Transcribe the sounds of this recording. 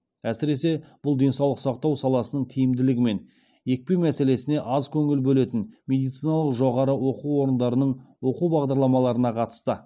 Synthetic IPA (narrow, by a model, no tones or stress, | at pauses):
æsɪɾe̞se̞b̥ʊlˠd̪e̞nsɑwlˠəqsɑq̚t̪ɑwsɑlˠɑsənəɴt̪ʰijɪmd̪ɪlɪɡʲɪme̞n | je̞k̚pemæse̞le̞sɪne̞ʔɑzkʲʰɵŋɪlbɵle̞t̪ɪnmʲe̞d̪ijt̪sijnɑlˠəqʒo̞ʁɑɾəwo̞quwo̞ɾənd̪ɑɾənəɴwo̞quwbɑʁd̪ɑɾlˠɑmɑlˠɑɾənɑqʰɑt̪ə̥st̪ə